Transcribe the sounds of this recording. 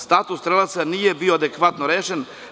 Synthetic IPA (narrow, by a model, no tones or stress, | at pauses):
st̪aːt̪ust̪ɾelasanijebioad̪ekʋat̪noɾeːʃen